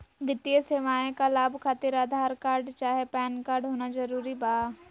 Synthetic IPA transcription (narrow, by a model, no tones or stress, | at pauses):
ʋɪt̪ijəseːʋaːẽkalaːbʱkʰaːt̪ɪɾaːd̪ʱaːɾkaːɾɖt͡ʃaːɦepɛːnkaːɾɖɦoːnad͡ʒɐɾuːɾibaː